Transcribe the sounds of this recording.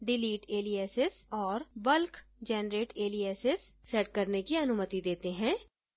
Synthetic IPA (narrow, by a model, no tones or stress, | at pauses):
ɖɪliːʈeːliːɛːsɪsɔːɾbəlkd͡ʒɛːnɾeːʈeːliːɛːsɪssɛːʈ̚kəɾnekiənʊmət̪id̪eːt̪eɦɛ̃ː